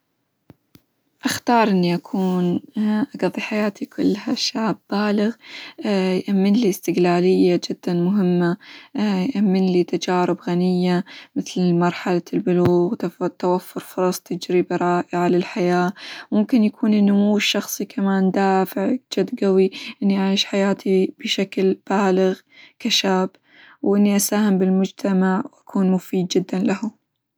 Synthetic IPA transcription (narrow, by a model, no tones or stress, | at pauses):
ʔaxt̪ɑːɾˤʔɪnːiʔakʰuːnʔaɡɑðˤiħajaːt̪ikʰʊ̰lːhaʃːaːb̚baːlɪɣ | jʔamːɪnlist̪ɪɡlaːlɪjːad͡ʒɪd̪̥ːanmʊɦɪmːajʔamːɪnlit̪ad͡ʒaːɾɪbɣanɪjːamɪθlmɑɾˤħalalbʊluːɣt̪t̪awafːʊɾfʊɾˤɑsˤt̪ɪd͡ʒɾibɾˤɑːʔɪʕalɪlħajaːmʊmkɪnjakʰuːnʔɪnːʊmuːɪʃːɑxsˤikʰamaːnd̪aːfɪʕd͡ʒad̪ɡawiʔɪnːiʔaʕiːʃħajaːt̪ʰib̥ɪʃaklb̥aːlɪɣ | kaʃaːb | wʔɪnːiʔasaːhɪmbɪlmʊd͡ʒt̪ʰamaʕwʔakʰuːnmʊfiːd̪̚d͡ʒɪd̪ːanlahʊ